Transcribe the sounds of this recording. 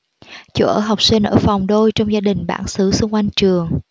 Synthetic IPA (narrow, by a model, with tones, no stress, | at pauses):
t͡ɕṵ˧˩˦ʔəː˧˩ɦa˨˩wk͡p̚sï˧ŋ̟ʔəː˧˩fa˨˩wŋ͡mɗo˧jt͡ɕɔ˧ŋ͡mzaː˧ɗï˨˩ŋ̟ɓa̰ː˧˩nsɨ˨˦sʊ˧ŋ͡mkwa˧jŋ̟t͡ɕɨ˨˩əŋ